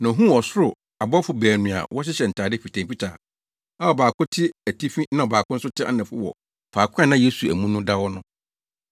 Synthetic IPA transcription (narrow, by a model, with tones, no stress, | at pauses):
nã˨ɦũ˦ɔ˨sʊ˦ɾʊ˨ | a˨bɔ˦fʊ˨bæː˨nũ˨a̰˨wɔ˦ɕ̬ɪ˦ɕɛ˨n̩˨tʰaː˨dɪ˦fi˨tʰã˨pi˦tʰa̰ː˨ | a˦ɔ˨baː˨kʰʊ̃˦tʰɪ˦æ˨tʰi˦fi˦nã˦ɔ˨baː˨kʰʊ˦n̩˦sʊ˦tʰɪ˦a̰˦nɛ̃˨fʊ˦wɔ̰˨ | faː˨kʰʷɛ̃˦nã˦je˦su˨æ̰˨mũ˦nʊ̃˦da˦wɔ˦nʊ̃˦